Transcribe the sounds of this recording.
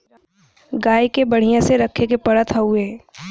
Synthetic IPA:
ɡaːikebɐɽ̤ijãseɾɐkʰːek̬epɐɽət̪ʰɐueː

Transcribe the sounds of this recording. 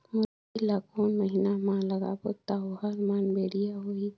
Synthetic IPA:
mʊ | ilakoːnməɦinamãləɡa̰bot̪aɦoɦaɾmaːnbeːɽ̤ijaɦoi

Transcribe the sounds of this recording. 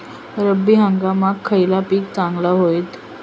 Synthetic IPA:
ɾəbːiːɦəŋɡamakʰːəjlapiːk̚t͡sãŋɡlaɦoit̪

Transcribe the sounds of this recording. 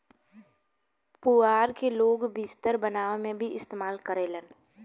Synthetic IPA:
pʊaːɾkeloːɡbɪst̪əɾbənaːʋemẽbʱiɪst̪eːmaːlkəɾeːlən

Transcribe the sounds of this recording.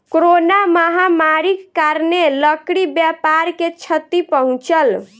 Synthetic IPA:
kɾonaməɦamaɾikːaɾneləkɽibjapaɾket͡ʃʰət̪ipəɦũt͡ʃəl

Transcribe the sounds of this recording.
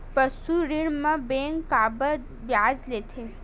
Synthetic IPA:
pəsuɾiɽmãbeŋkːabə | bjad͡ʒlet̪ʰe

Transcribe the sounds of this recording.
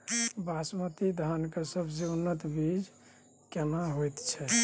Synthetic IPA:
basmət̪id̪ʱankesəbʱseunːət̪bid͡ʒ | kenaɦojt̪t͡ʃʰɛ

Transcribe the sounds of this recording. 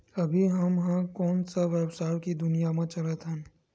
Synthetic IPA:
ɐbʱiɦɐmɦãkɔːnsaʋɛbsaːɾkid̪ʊnijamãt͡ʃɐlət̪ɦɛ̃n

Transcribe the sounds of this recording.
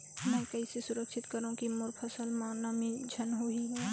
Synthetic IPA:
mɛ̃ːkɐisesʊɾəkʃɪt̪kəɾũkimʊɾpʰəsəlmãnamĩd͡ʒʱənɦoɦiɡɐ

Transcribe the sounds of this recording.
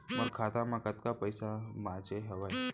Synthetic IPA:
məɾkʰat̪amakat̪kapəjsamad͡ʑeɦɛʋaj

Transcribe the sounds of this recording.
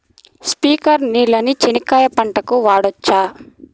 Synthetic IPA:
spiːkɐɾniːlɐnit͡ʃenikaːjɐpɐɳʈɐkuʋaːɽɔt͡ʃːaː

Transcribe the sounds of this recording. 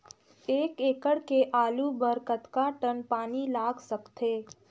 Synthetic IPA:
eːkeːkəɽkeʔaːlubəɾkət̪kaʈənpaːnilaːɡsəkt̪eː

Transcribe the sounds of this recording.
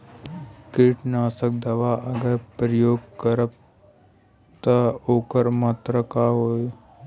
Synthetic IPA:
kɪːʈnaːsək̚d̪ɐʋaːʔɐɡəɾpɾəjoːɡ̚kəɾəb̚ | t̪aoːkəɾmat̪ɾəkaɦoː

